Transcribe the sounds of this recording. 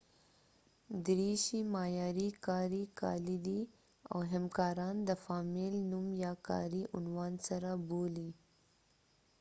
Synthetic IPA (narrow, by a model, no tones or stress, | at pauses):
d̪ɾiʃimɑjɑːɾikɑɾikɑ̰lid̪i | a̰wɦamkɑːɾɑnd̪əfɑmɪlnumjɑkɑ̰ɾiʔʊnwɑːnsaɾaboli